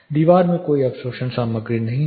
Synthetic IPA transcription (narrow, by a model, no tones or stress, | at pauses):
d̪iːʋaːɾmẽkoːiɐpsoːʃənsaːməɡɾinɐɦĩ